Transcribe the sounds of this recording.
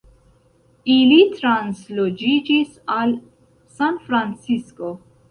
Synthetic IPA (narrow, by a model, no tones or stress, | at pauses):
ilitɾanslod͡ʒid͡ʒis | al | sanfɾant͡sisko